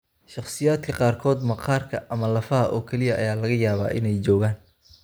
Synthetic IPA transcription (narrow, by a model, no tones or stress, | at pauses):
ʃɑχsɪjaːd̪kʰɐqɑːrkʰɔːd̪mɐqʰɑːrkʰɐʔɐmɐlɐfɐɦɐʔɔːkʰɛlɪjɐʔɐjaːlɐɣɐjaːβa̰ːʔɪnɛjt͡ʃɔːɣaːn